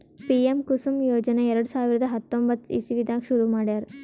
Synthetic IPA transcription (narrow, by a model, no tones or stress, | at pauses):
piemkusumjoːd͡ʒɐneɛɾɐɽusaːʋiɾɐd̪ɐɦɐt̪ːombɐt̪ːḭsiʋid̪ʱaːkʂuɾumaːɽjɐɾ